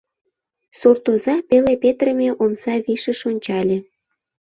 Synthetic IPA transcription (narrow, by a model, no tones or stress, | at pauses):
sort̪ozɑpelepet̪rəmʲeʔomsɑβiʃə̆ʃonʲt͡ɕɑlʲĕ